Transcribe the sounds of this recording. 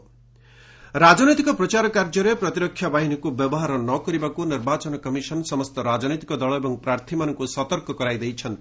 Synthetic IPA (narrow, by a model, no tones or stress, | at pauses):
rad͡zʌnit̪ikʌprʌt͡ʃaɾkard͡zʌɾeprʌt̪iɾʌkʰːjabaɦinikobjʌbʌɦaɾʌnʌkʌɾibakonirbat͡sʌnʌkʌmisʌnsʌmʌst̪ʌɾad͡zʌnit̪i̥kʌd̪ʌlʌebʌŋprart̪ʰimanʌŋkosʌt̪ʌrkʌkʌɾajd̪ʌjt͡sʰʌn